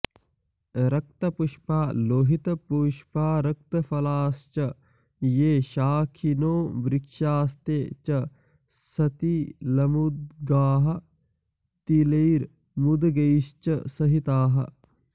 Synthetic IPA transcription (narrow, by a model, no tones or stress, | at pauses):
ɾɐk̚t̪ɐpuʃpaːloːɦit̪ɐpuːʃpaːɾɐk̚t̪ɐfɐlaːst͡ʃɐ | jeːʃaːkʰinoːbɾikʃaːst̪eːt͡ʃɐ | sɐt̪ilɐmud̪̚ɡaːɦɐ̆ | t̪ileːɾ | mud̪ɡɐʃt͡ʃɐsɐɦit̪aːɦɐ̰